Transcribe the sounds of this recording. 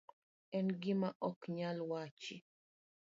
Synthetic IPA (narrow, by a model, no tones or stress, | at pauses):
ɛnɡɪmaʔɔkɲalwat͡ʃɪ